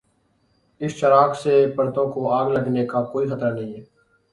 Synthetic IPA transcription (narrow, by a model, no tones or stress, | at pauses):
ɪsʃəɾaːkseːpəɾt̪õːkoːaːɡləɡneːkaːkoːiːxət̪ɾaːnəɦĩːɦɛː